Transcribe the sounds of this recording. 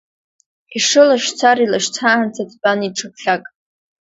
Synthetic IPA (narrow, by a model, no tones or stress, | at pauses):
iʂɨlaʃt͡sʰaɾilaʃt͡sʰaːant͡sʰatʰt͡pʼaniʈ͡ʂʰɨp̚ʰɬakʼ